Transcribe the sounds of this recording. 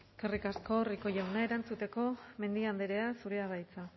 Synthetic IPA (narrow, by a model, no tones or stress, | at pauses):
kerikasko̞riko̞ʝawnaeɾant͡sut̪e̞ko̞me̞nd̪iand̪eɾe̞asuɾeaɣajt͡sa